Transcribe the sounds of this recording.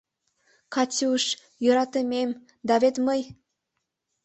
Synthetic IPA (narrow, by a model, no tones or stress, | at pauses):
kɑt͡sʲiuʃ | jø̆ɾɑt̪əmem | d̪ɑβet̪məj